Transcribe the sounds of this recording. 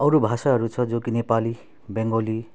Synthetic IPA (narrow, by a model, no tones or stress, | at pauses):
ʌɾobʱasaɦʌɾut͡sʰʌd͡zokinepali | beŋɡoli